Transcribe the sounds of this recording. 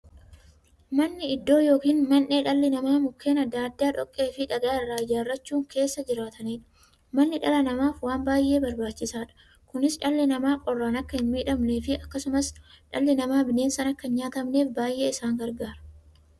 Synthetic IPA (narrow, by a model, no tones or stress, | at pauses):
mɐnːɪɪd̪ːo̞ːjo̞ːkiːnmɐnːe̞ːᶑɐlːɪnɐmaːmʊkːe̞ːnɐd̪ːaːd̪ːaːᶑɔkʼːe̞ːfɪᶑɐɡaːɪrːaːɪd͡ʒaːrːɐt͡ʃːuːŋke̞ːsːɐd͡ʒɪɾaːt̪ɐniːᶑɐ̥ | mɐnːɪᶑɐlɐnɐmaːfwaːmbaːjʔe̞ːbɐɾbaːt͡ʃːɪsaːᶑɐ̥ | kʊnɪsᶑɐlːɪnɐmaːqʼɔrːaːnɐkːɐhɪnmiːᶑɐmne̞ːfɪɐkːɐsʊmɐsᶑɐlːɪnɐmaːbɪne̞ːnsɐnɐkːɐɲɲaːt̪ɐmne̞ːfbaːjʔe̞ːɪsaːŋɡɐɾɡaːɾɐ̥